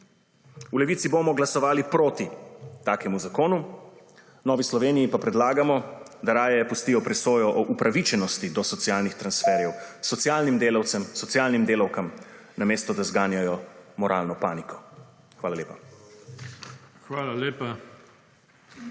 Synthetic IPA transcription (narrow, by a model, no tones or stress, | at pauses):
ulɛʋiːsibomɔɡlasɔʋaːlipɾoːt̪it̪aːkɛmuzakoːnu | nɔːʋislɔʋeːnijipapɾɛd̪laːɡamɔd̪aɾaːjɛpust̪ijɔpɾɛsoːjɔʔɔʔupɾaʋit͡ʃɛnɔst̪id̪ɔsɔt̪sijaːlnixt̪ɾansfɛːɾjɛwsɔt̪sjaːlnimd̪eːlawt̪sɛmsɔt̪sijaːlnimd̪eːlawkam | nameːst̪ɔd̪azɡaːnjajɔmɔɾʔaːlnɔpaːnikɔ̥ | xʋaːlaleːpa | xʋaːlaleːpa